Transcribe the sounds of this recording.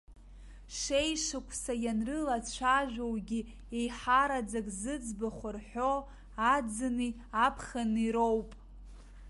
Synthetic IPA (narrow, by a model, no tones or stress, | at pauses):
ʂejʂɨkʷʰsajanrɨlat͡ɕʷʰaʒᶣʷowɡʲi | ejħaɾad͡zakʼzɨd͡zbaχʷʊrħʷo | ad͡zɨni | apʰχaniɾowpʼ